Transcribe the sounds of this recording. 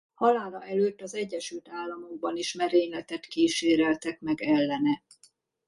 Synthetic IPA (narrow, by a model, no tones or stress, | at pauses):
hɒlaːlɒɛløːt̪ːɒzɛɟːɛʃylt̪aːlːɒmo̞ɡ̚bɒniʃmɛɾeːɲlɛt̪ɛt̪kiʃeːɾɛlt̪ɛkmɛɡɛlːɛnɛ